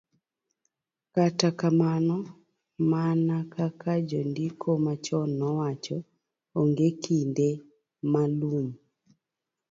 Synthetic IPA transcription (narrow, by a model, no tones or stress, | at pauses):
katakamanɔ | manakakad͡ʒɔndikʰɔmat͡ʃɔnːɔwat͡ʃɔː | ŋɡekinde | maluɲ